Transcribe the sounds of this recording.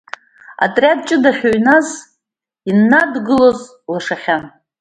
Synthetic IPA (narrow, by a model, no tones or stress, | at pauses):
a̰tʼrʲjad̚t͡ʃʼɨdaħʲᶣoɥnaz | inːadɡɨloz | laʂaχʲan